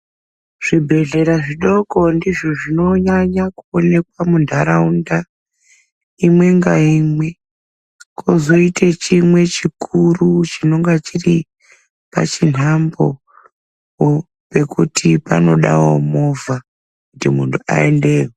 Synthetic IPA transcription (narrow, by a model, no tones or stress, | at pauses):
ʐ̥ibʱe̞ɮe̞ɾaʐiɗo̞ko̞ndiʐo̞ʐino̞ɲaɲakuone̞kwamundʱaɾaunda | imwe̞ŋɡaimwe̞ | kʰozoitʰet͡ʃimwe̞t͡ʃikʰurut͡ʃino̞ŋɡat͡ʃiri | pa̰t͡ʃin̤ambo̞ | o | pe̞kutʰipa̰no̞ɗa̰wo̞mo̞va | kutimuntʰua̰ende̞ːwo